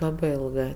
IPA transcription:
ˈlˠɑːbɜ ˈɪlˠɡɜ

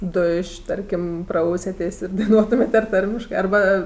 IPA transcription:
ˈdʊʃʲ ɪˈtɐrʲkʲɪm ˈprɐʊsʲɛtʲeːsʲ ɪr dɐɪˈnuɔtʊmʲeːtʲ ɐr ˈtɐrʲmʲɪʃkɜ ɐrˈbɐ

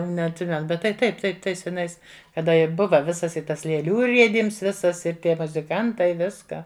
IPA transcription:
nʲɛɐtʲˈsʲɪmʲɛn ˈbʲɛt tɐɪ ˈtɐɪp ˈtɐɪ ˈtɐɪs sʲɛˈnɐɪs kɐˈdɐ ɪ ˈbʊʋɐ ˈʋʲɪsɐs ɪ ˈtɐs lʲeːˈlʲuː ˈrʲiɛdʲiːms ˈʋʲɪsɐs ɪr ˈtʲiɛ mʊzʲɪˈkɐntɐɪ ˈʋʲɪskɑː

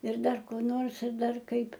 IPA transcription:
ɪr ˈdɐr koː ˈnoːrs ɪr ˈdɐr ˈkɐɪp

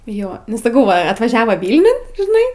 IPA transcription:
ˈjoː nʊ sɐˈkɐʊ ʋɐ ɐtʋɐˈʒʲæːʋoː ˈʋʲiːlʲnʲʊn ʒʲɪˈnɐɪ

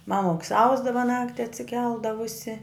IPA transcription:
ˈmɑːmʊks ˈɐʊzdɐʋɐ ˈnɑːktʲɪ ɐtʲsʲɪˈkʲɛlˠdɐʋʊsʲɪ

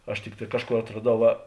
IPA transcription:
ɐʃ ˈtʲɪkˌtɑː ˈkɑːʃˌkoːr ɐtrɐˈdɐʊ ˈʋɐ

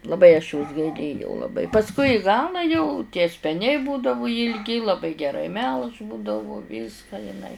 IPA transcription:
lˠɐˈbɐɪ ɐʃ joːs ɡɐɪˈlʲeːjɛʊ lˠɐˈbɐɪ pɐsˈkʊɪ ɪ ˈɡɑːlˠɑː jɛʊ tʲiɛ sʲpʲɛˈnʲɛɪ ˈbuːdɐʋʊ jɪlʲˈɡʲɪ lˠɐˈbɐɪ ɡʲɛˈrɐɪ mʲɛlˠʃ ˈbuːdɐʋʊ ˈʋʲiːskɑː jɪˈnɐɪ

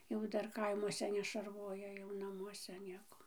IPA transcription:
jɛʊ ˈdɐr kɐɪˈmuɔsʲɛ nʲɛʃɐrˈʋoːjɛ jɛʊ nɐˈmuɔsʲɛ ˈnʲiɛkoː

